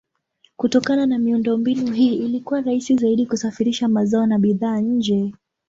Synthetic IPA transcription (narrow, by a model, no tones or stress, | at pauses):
kutɔkananamiundɔmbinuɦiːilikuwaɾaisizaiɗikusafiɾiʃamazaɔnaɓiðaːɲ̩d͡ʒɛ